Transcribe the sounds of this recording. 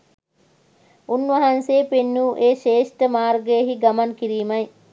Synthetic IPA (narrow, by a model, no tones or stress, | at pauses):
unʋɐɦɐnseːpenːuːʔeːʃeːʂʈəmaːɾɡəjəɦiɡɐmɐnkiɾiːmɐj